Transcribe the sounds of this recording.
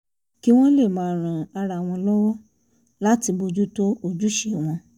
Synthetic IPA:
ki˦w̃ɔ̃˦le˦˨mãː˨˦˨ɾ̃ã˨a˧ɾa˧˨w̃ɔ̃˧lɔ˦wɔ˦ | la˦ti˧bo˧d͡ʒu˦to˦o˨d͡ʒu˦ʃe˨w̃ɔ̃˧

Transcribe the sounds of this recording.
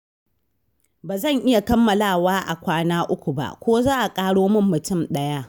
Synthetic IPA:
baː˨zɐ˦˨ŋʔɪ˦ja˨kɐ˦mːɐ˨laː˦˨waː˦ʔa̰˨kʷaː˦naː˦ʔʊ˦kʷu˨ba̰˨ʔkʷoː˦zaː˦ʔa˨kʼaː˦ɽoː˦mʊ˦mːʊ˨tʊ˦˨mɗɐ˦ja˦

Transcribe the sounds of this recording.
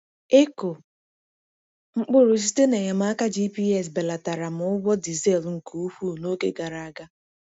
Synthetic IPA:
e˦ko˨ | ŋ͡m̩˦k͡pʊ˦ɾʊ˨s̬i˦te˦ne˨ɲa˨m̩˦a˦ka˦d͡ʒi˦pi˦ɛ˦˨sbe˨la˨ta˨ɾa˨m˨ʊ˦ɡʷɔ˦di˨ze˦˨lŋ̩˨ku˨u˦hu˦˨no˦ke˦ɡa˨ɾa˨a˦ɡa˦

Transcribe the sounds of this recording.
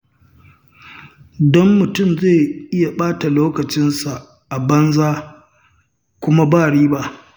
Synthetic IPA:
dɔ˦mːʊ˨tʊ˦˨mzeː˦˨ʔɪ˦ja˨ɓaː˦ta˨loː˦kɐ˨t͡ʃɪ˦nsa˨ | ʔa˨bɐ˦nzaː˦ | kʷʊ˦ma˦baː˦˨ɽiː˦ba˦ʔ

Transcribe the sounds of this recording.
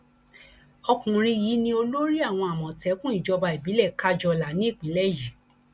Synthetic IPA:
ɔ˧kũ˨ɾ̃ĩ˧ji˨˦nĩ˧o˧lo˦ɾi˦a˦˨w̃ɔ̃˧a˨mɔ̃˨tɛ˨˦kũ˦i˦˨d͡ʒɔ˧ba˧i˨bi˨˦lɛ˦˨ka˦d͡ʒɔ˧la˨˦nĩ˦i˦˨k͡pĩ˨˦lɛ˦ji˨˦

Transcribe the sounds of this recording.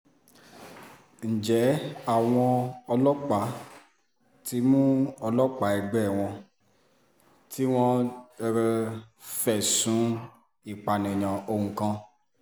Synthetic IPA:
n̩˨d͡ʒɛ˨˦a˦˨w̃ɔ̃˧ɔ˧lɔ˦k͡pa˨˦ | ti˧˦mũ˦ɔ˧lɔ˦k͡pa˨˦ɛ˧ɡ͡bɛ˦˨w̃ɔ̃˧ | ti˦w̃ɔ̃˦˧ | fɛ˨sũ˨˦ | i˦˨k͡pa˨nɛ̃˨j̃ã˨o˧hũ˨kã˧

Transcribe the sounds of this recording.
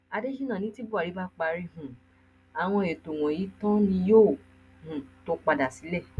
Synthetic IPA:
a˧de˦ʃi˦nã˦˨nĩ˦ti˦bu˦a˨ɾi˨˦ba˦k͡pa˧ɾi˧hũ˨ | a˨w̃ɔ̃˧e˨to˨w̃ɔ̃˨ji˨˦tɔ̃˦nĩ˧jo˦˨ | hũ˨to˦k͡pa˧da˨si˨˦lɛ˦˨

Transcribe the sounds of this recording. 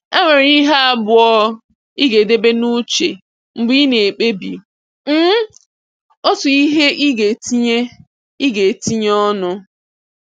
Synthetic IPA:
e˦ŋʷe˨ɾi˦ɦa˦a˦bʊ˨ɔ˦ | i˦ɡe˨de˦be˦nu˦t͡ʃe˨ | ŋ͡m̩˨ɡ͡bi˦ne˨k͡pe˦bḭ˨ | m̩˦ | o˦tʊ˨i˦ɦe˦ʔi˦ɡe˨ti˦ɲe˦ | i˦ɡe˨ti˦ɲ˦ɔ˦nʊ˦

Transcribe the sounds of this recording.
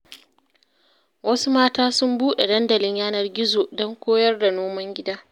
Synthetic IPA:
wɐ˦su˦maː˦taː˦sʊ˦mbuː˦ɗe˨dɐ˦ndɐ˨lɪ˦ɲjaː˦nɐ˨rɡʲɪ˦zoː˨dɔ˦ŋkʷoː˦jɐ˦rda˨noː˦mɐ˦ŋɡʲɪ˦daː˦

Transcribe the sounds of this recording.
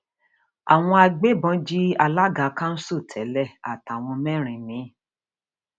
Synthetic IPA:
a̰˨w̃ɔ̃˧a˧ɡ͡be˦bɔ̃˨˧˦d͡ʒi˦a˧la˦ɡa˨˦kã˦n̩˦so˦˨tʰɛ˨˦lɛ˦˨a̰˨ta˨w̃ɔ̃˧mɛ˦˨ɾ̃ĩ˨mĩ˨˦

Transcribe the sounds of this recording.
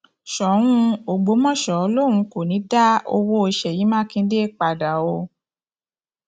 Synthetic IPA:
ʃɔ˨˦ɾ̃ũ˦˧o˨ɡ͡bo˨˦mɔ̃˦˨ʃɔ˨o˧˦lo˦˨ɾ̃ũ˧˦ko˨nĩ˨˦da˦o̰˧wo˦o˧ʃɛ˨ji˨˦mãː˦kĩ˧˦de˦˨k͡pa˨da˨o˧

